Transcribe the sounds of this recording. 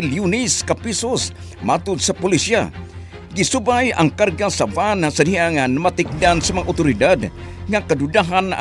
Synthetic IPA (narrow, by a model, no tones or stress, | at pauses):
ljunɪskapisos | mat̪ʊd̪sapʊlisia̰ | ɡisubaja̰ŋkarɡasavanasadiaŋanamat̪ɪk̚d̪ansamɐŋaʔʊt̪ʊɾɪd̪ad̪ | ŋakadʊdaɦana̰